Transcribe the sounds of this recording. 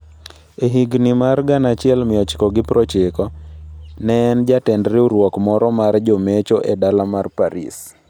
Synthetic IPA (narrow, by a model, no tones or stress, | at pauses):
eɦiɡnimarɡanat͡ʃɪɛlmɪɔt͡ʃkɔɡɪpɾɔt͡ʃɪkɔ | nɛnd͡ʒatɛndɾɪuɾwɔkmɔɾɔmaɾd͡ʒomet͡ʃɔʔɛdalamarpaɾḭs